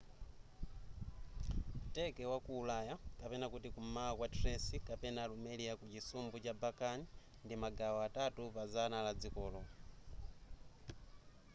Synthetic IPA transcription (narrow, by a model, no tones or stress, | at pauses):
utɛkɛwakuːlajakapɛnakutikumakwatresikapɛnalumeliakut͡ʃisumbut͡ʃabakani | ndimaɡawɔatatupazanalad͡zikɔlɔ